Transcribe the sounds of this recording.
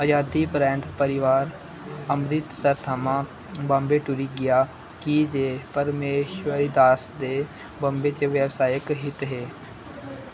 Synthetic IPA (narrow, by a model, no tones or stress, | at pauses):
əd͡ʒaːd̪iːpɾɛ̃ːnt̪pəɾɪʋaːɾ | əmɾɪt̪səɾt̪ʰamãː | bãmbeːʈʊɾiːɡɪjaː | kid͡ʒeːpəɾmeːʃʋəɾiːd̪aːsd̪eː | bə̃mbeːt͡ʃeʋɛːʋsaːjəkɦɪt̪ɦeː